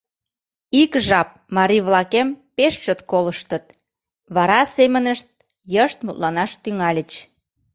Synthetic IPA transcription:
ikʒɑp̚mɑɾiβlɑkempeʃt͡ɕot̪koləʃt̪ət̪̚ | βɑɾɑsemənəʃt̪̚ | jəʃt̪mut̪lɑnɑʃt̪yŋɑlʲət͡ɕ

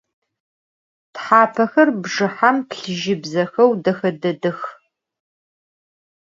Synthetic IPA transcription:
tħaːpʰɐxɐrbʐɨħamtɬɨʒɪbzɐxɐwdɐxɐdɐdɨx

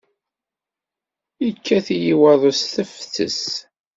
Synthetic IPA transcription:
ikːæθjiwɑðˤosθəfθə̰s

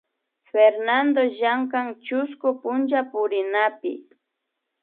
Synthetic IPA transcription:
feɾnand̪oʒaŋkaŋt͡ʃʊskʊpʊnt͡ʃapʊɾɪnapɪ̰

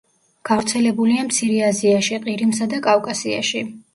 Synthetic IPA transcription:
ɡ̥avɾt̪sʰɛlɛbuliamt̪sʰiɾɛaziaʃiqʼiɾimsad̪akʼavkʼasia̰ʃi

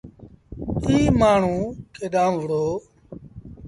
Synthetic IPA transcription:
iːmaːɳ̤ũːkeːɗãːmʋəɽoː

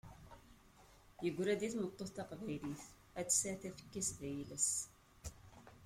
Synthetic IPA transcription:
jəɡʷːɾæd̪iθnət̪ˤːoθt̪ɑqvæjliθ | æt͡sːsæθæfə̥kːæsðæjiləs

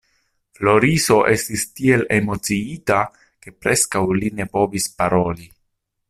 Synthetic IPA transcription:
flo̞ɾiso̞ʔe̞stistie̞le̞mo̞t͡siita | ke̞pɾe̞skawline̞po̞vispaɾo̞li

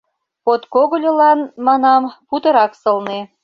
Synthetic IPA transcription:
pot̪koɣŏlʲəlɑnmɑnɑmput̪ɤ̆ɾɑksɤ̆lne

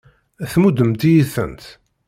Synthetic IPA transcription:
æθmud̪əmt̪ijiθə̰nt̪

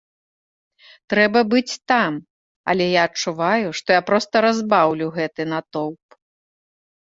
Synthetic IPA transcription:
t̪ɾɛbɐbɨt͡sʲt̪am | ɐ̰lʲɛjaɐt͡ʂuvajuʂt̪ɔjapɾɔst̪ɐɾazbawlʲuwɣɛt̪ɨnɐt̪ɔwp

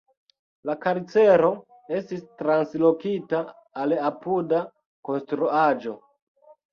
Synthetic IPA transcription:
lakaɾit͡se̞ɾo̞ | e̞stistɾanslo̞kitaː | lapuda | ko̞nstɾuad͡ʒo̞

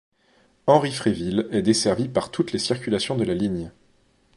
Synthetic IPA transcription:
ɑ̃ʁifχevilɛd̪esɛʁvipaʁt̪ʰut̪lesiʁkʲylasjɔ̃d̪əlaliɲ

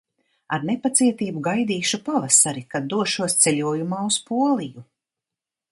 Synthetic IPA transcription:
aɾnepat̪siɛt̪iːbuɡajd̪iːʃupavasaɾikad̪ːuɔʃuɔst̪sɛʎʲuɔjumaːuspuɔlˠiju

